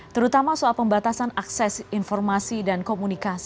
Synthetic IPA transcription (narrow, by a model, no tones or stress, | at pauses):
t̪əɾut̪amasualpəmbat̪asanaksɛsinfɔrmasidankomunikas